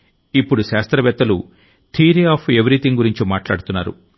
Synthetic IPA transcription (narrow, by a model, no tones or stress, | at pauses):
ipːuɽuʃaːst̪ɾɐʋɛt̪ːɐlu | t̪ʰiːɾiaːpʰeʋɐɾit̪iŋɡuɾiɲt͡ʃimaːʈla̰ːɽut̪unːaːɾṵ